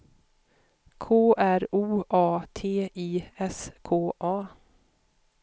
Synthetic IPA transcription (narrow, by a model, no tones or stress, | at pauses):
kʰoːʔæɾuːʔɑːt̪ʰeːiːɛskʰoːʔɑː